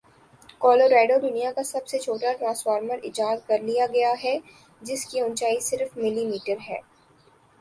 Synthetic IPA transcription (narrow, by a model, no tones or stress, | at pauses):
kɔːloːɾaːɖod̪ʊnijakasɐbset͡ʃʰoːʈaʈɾãːnsfaːɾməɾɪ̰d͡ʒaːd̪kɐɾlijaɡɐjaɦɛ | d͡ʒɪskiʊ̃nt͡ʃaːisɪɾfmɪlimiːʈəɾɦɛ̰ː